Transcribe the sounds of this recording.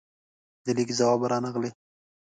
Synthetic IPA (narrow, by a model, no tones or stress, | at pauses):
d̪əlikzawɑbaɾɑnaɣle